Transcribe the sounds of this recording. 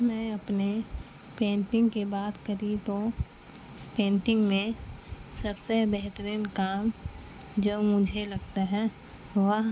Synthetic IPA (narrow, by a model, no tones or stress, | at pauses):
mɛ̃ːɐpne | pẽːnʈɪ̃ŋɡkebaːt̪kəɾĩt̪o | pẽːnʈɪ̃ŋɡmẽsɐbsebɛɦt̪əɾinkaːm | d͡ʒoːmʊd͡ʒʱelɐɡt̪aɦɛ | ʋəɦ